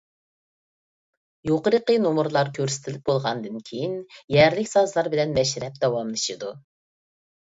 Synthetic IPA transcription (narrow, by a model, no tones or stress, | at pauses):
joqəɾəqənomuɾlˠɑɾkʲʰøɾsɪ̥t̪ʰɪlɪp̚bolˠʁɑnd̪ɨnkʲʰejinjɛɾlɪkʲsɑzlˠɑɾbɪlɛnmɛʃɾɛp̚d̪ɑwɑmlˠɨʃɨd̪u